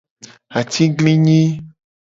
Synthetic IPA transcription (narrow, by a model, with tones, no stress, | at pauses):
a˨t̪i˦ɡlĩ˦ɲĩ˦